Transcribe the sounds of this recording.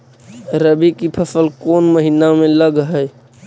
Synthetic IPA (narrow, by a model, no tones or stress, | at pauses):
ɾəbikipʰəsəlkoːnməɦinamẽləɡɦəj